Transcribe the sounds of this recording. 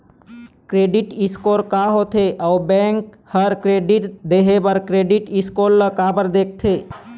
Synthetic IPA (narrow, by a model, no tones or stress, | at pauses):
kɾeːɖɪʈɪskoːɾkaɦot̪ʰeʔɔːbɛ̃ːŋk | həɾkɾeːɖɪʈd̪eɦebəɾkɾeɖɪʈɪskoːɾləkabəɾd̪eːk̚ʰt̪ʰeː